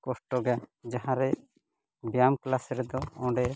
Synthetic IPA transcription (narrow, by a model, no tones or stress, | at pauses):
kɔsʈɔɡad͡ʒaɦãɾɛ | bjamklasɾɛd̪ɔɔ̃ɖɛ